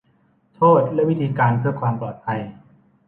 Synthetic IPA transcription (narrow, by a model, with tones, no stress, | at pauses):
t̪ʰoː˥˩t̪̚lɛ˦˥ʔwi˦˥t̪ʰiː˧kaː˧npʰɯ˥˩ɐkʰwaː˧mplɔː˨˩t̪̚pʰa˧j